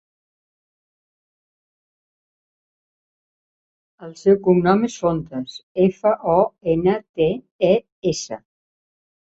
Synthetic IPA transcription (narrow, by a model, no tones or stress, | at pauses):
əlˠsewkumnɔmesont̪əsefəʔɔenət̪e | e | esə̰